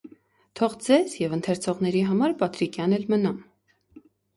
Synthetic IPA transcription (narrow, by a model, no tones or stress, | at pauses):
t̪ʰɔʁd͡zɛzjɛvənt̪ʰɛɾt͡sʰɔʁnɛɾiɦɑmɑɾpɑt̪ɾikʰjɑnɛlmənɑm